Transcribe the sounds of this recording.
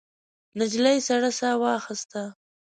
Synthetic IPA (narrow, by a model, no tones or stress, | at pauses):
nɪd͡ʒlajsaɽasawɑxɪst̪a